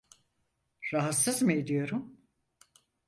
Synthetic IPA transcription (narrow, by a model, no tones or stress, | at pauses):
ɾaɦat̪sɯzmɯed̪ijo̞ɾum